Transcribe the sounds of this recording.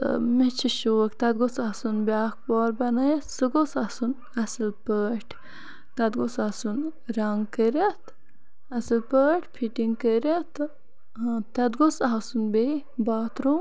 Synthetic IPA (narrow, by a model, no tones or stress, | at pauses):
met͡ʃʰiʃoːkt̪ɐd̪̚ɡosasunbʲaːk̚pɔːɾbɐnɐjɐt̪sɨɡosɐsun | ɐsɨlpəːʈʰ | t̪ɐd̪̚ɡosasunɾɐŋɡkəɾʲɐt̪ | ɐsɐlpəːʈʰpʰiʈiŋɡkəɾɐt̪ | ɦt̪ɐd̪ɡosasunbe | baːt̪ɾu